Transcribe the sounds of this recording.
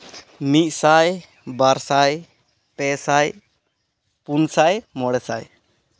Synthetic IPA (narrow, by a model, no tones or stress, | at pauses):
mit̪̚ˀsaj | baɾsaj | pɛsaj | punsajmɔɽɛsa̰j